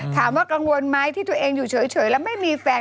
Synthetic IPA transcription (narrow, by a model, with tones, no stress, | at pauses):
t̪ʰaː˨˦mvaː˨˦kaː˧ŋu˨˧ənmaː˧jt̪ʰi˧˦t̪ʰu˨˧˨ʔɛ˧nzu˧˩t͡ɕəː˨˦jt͡ɕəː˨˩˦jla˨˧˦ma˨˦jmi˧fɛ˧˩